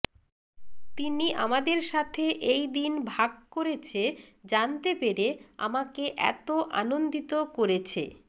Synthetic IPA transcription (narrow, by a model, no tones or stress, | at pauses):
t̪iniʔamad̪eɾʃat̪ʰeʔejd̪inbʱaɡ̚koɾet͡ɕʰed͡ʑant̪epeɾea̰makeʔɛ̰t̪oʔa̰nond̪it̪okoɾet͡ɕʰḛ